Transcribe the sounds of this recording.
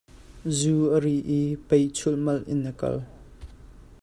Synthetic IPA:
zuʔəɾiʔipejt͡sʰʊlmɐlʔɪnːəkɐ̰l

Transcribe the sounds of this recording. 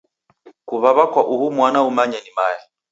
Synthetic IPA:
kuβaβakwaʔuhumwanaumaɲɛnimaja

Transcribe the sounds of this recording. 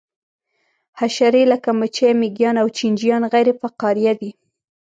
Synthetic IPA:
haʃaɾelakamət͡ʃamɪɡjɑnawt͡ʃind͡ʒijɑnɣajɾefaqɑɾijad̪i

